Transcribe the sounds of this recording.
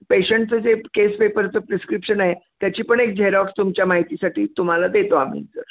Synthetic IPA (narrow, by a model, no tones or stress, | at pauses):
peɕəɳʈt͡səd͡zekespepəɾt͡səpɾiskɾipɕənaɦet̪jat͡ɕiːpəɳek̚d͡ʑʱeɾakst̪umt͡ɕjamaɦit̪isaʈʰiːt̪um̤alad̪et̪oam̤ḭːnt͡sə̰ɾ